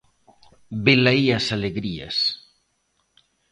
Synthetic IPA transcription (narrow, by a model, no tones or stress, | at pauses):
belaiasaleɣɾia̰s